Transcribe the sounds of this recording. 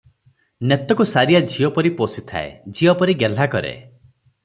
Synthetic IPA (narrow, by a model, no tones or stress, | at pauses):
net̪ɔkusaɾijad͡ʒʱijɔpɔɾiposit̪ʰa̰ḛd͡ʒʱiɔpɔɾiɡel̤akɔɾḛ